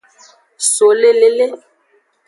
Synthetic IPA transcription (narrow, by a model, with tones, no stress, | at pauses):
so˨le˦le˨le˦